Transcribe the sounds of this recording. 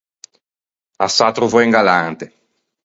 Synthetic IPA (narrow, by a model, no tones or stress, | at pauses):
asat̪ɾuvoeŋɡalant̪e